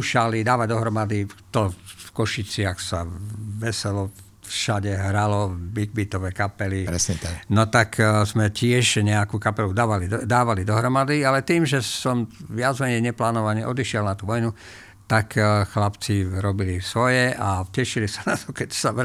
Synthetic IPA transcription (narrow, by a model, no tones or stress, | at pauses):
uʃalid̪aːʋaɟd̪ɔɦɾɔmad̪it̪ɔfkɔʃit͡sɪaxsaʋɛsɛlɔ | fʃaɟɛɦɾalɔbiɡ̚bit̪ɔʋɛːkapɛliɾɛsɲɛt̪aknɔt̪akzmɛcɪɛʒɲɛakuːkapɛlud̪aːʋalid̪aːʋalid̪ɔɦɾɔmad̪ialɛt̪iːmʒɛsɔmʋɪad͡zmɛɲɛjɲɛplaːnɔʋaɲɛʔɔd̪iʃɪɛlnat̪uʋɔjnu | t̪akʰxlapt͡siɾɔbilisʋɔjɛʔacɛʃilisanat̪ɔkɛcsaʋ